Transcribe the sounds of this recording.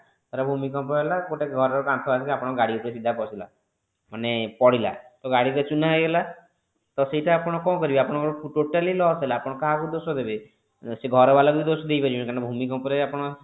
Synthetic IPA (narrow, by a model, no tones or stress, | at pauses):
t̪aɾabʱumikɔmpɔelakoʈeɡʱɔɾɔɾɔkãnt̪ʰɔasakiapɔɽ̃ɔɡaɽiupɔɾisid̪ʱapɔsila̰ | manepɔɽila̰t̪ɔɡaɽiɾet͡ʃunajɡela | t̪ɔseiʈaːpɔɽ̃ɔkɔ̃kɔɾibiapɔɽ̃ɔkɔɾɔpʰuʈoʈalilɔselaːpɔɽ̃ɔkaɦakud̪osɔd̪ebe | seɡʱɔɾɔbalakuid̪osɔd̪ejbad͡ʒũkaɾnɔbʱumikɔmpɔɾeapɔɽ̃ɔ